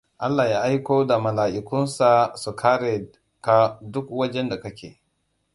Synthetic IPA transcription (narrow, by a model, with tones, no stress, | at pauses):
ʔa˦lːa˨ja˦ʔa˦jko˦da˨mɐ˨laː˨ʔi˨kʊ˦nsa˨su˨kʰaː˦ɾe˨ | ka˦dʊ˦kwɐ˦d͡ʒɛ˦nda˨kɐ˦kʲḛː˨